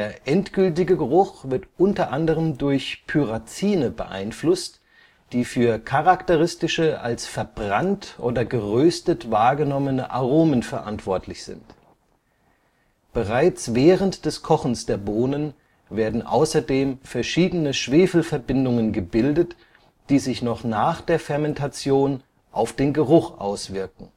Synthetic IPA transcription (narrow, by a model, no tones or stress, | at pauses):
d̥eːɐʔɛntɡ̥ʏltɪɡəɡəʁʊχv̥ɪɐtʔʊntɐʔandəʁ̞əmdʊɐçpʰyʁat͡siːnəbə̰ʔa̰ɪnflʊst | d̥iːfyːɐkʰaʁaktəʁɪstɪʃəʔa̰lsfɛɐbʁantʔoːdɐɡəʁøːstətv̥aːɐɡənɔmənəʔaʁoːmənfɛɐʔantv̥ɔɐtʰlɪçz̥ɪ̰nt | b̥əʁaɪt͡svɛːʁəntd̥ɛskʰɔχn̩sd̥eːɐboːnən | veːɐdn̩ʔa̰ʊsɐdeːmfɛɐʃiːdənəʃv̥eːfl̩fɛɐbɪndʊŋənɡəbɪldət | d̥iːzɪçnɔχnaːχd̥eːɐfɛɐmɛntʰat͡sjoːn | ʔaʊfd̥eːnɡəʁ̞ʊχʔa̰ʊsv̥ɪɐkŋ̩